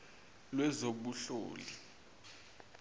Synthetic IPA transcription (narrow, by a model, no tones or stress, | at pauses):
lwɛzoɓuɬo̰ːli